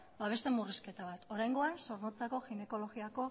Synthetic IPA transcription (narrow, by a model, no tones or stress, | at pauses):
baβ̞e̞st̪e̞muriske̞t̪aβ̞at̪o̞ɾajŋɡo̞anso̞ɾnot͡sako̞xine̞ko̞lo̞ɣiako̞